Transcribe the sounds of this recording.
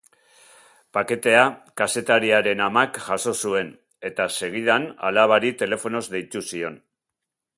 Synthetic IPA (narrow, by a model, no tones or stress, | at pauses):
pake̞t̪e̞akase̞t̪aɾiaɾe̞namakʝaso̞sue̞n | e̞t̪ase̞ɣ̞ið̞ana̰laβaɾit̪e̞le̞fo̞no̞zd̪e̞jt̪usio̞n